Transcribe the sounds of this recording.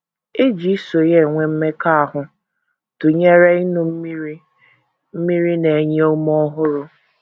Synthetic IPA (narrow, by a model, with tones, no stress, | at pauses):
e˦d͡ʒi˨˦so˨je˦˨ŋʷe˦m̩˦me˦ka˦a˨ɦʊ˨ | tʊ˨ɲe˦ɾe˦i˦nʊ˦m̩˦mi˦i˦ | m̩˦mi˦ɾi˦ne˨ɲe˦o˦m˦ɔ˦ɦʊ˦ɾʊ˨